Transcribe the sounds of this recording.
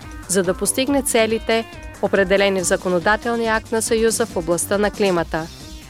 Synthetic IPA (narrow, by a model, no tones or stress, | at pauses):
zɐd̪ɐpost̪iɡnɛt̪sɛlit̪ɛ | opɾɛd̪ɛlɛnivzɐkonod̪at̪ɛlˠniak̚t̪nɐsɐjuzəfoblˠɐst̪ənɐklimət̪ə